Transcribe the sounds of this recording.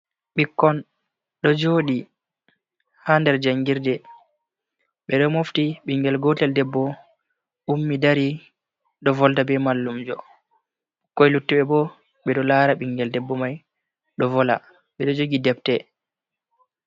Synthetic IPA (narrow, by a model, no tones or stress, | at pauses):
ɓikːɔn | ɗɔd͡ʒoːɗi | handɛɾd͡ʒaŋɡiɾdɛ | ɓɛɗɔmoftiɓiŋɡɛlɡɔtɛldɛbːɔ | umːidaɾi | ɗɔvɔldabɛmalːumd͡ʒɔ̰ | kɔjlutːiɓɛbɔ | ɓɛɗɔlaːɾaɓiŋɡɛldɛbːɔmaj | ɗɔvɔla̰ | ɓɛɗɔd͡ʒoɡidɛp̚tɛ